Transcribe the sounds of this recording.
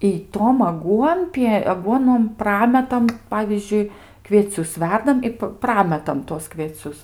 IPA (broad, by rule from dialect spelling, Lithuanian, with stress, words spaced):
ɪ ˈtoːm ɐˈɡuɔnʲpʲiɛ ɐˈɡuɔnoːm ˈprɑːmʲɛtɐm ˈpɑːʋʲiːzʲd͡ʒʲʊɪ kʋʲiɛˈt͡sʲʊs ˈʋʲɛrdɐm ɪ p ˈprɑːmʲɛtɐm tuɔs kʋʲiɛˈt͡sʲʊs